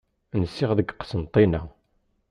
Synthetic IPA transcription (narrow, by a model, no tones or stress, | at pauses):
nəsːɪʁðəɡqːsənt̪ˤːinæ̰